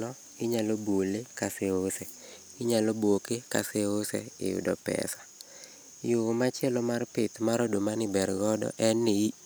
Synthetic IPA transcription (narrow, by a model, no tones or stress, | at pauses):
nɔ | ɪɲalobolekaseosɛ | ɪɲalɔbwokeka̰seosɛ̰ɪ̰jʊ̰dɔ̰pɛ̰sḁ | jomat͡ʃɛlɔmarpɪt̪maɾɔdomanɪbɛɾɡɔdɔ̰ʔɛnːɪi